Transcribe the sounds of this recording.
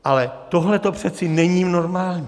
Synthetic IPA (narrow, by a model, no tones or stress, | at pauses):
ʔalɛt̪oɦlɛt̪opr̝̥ɛt̪t͡sɪnɛɲiːmno̞ɾmaːlɲi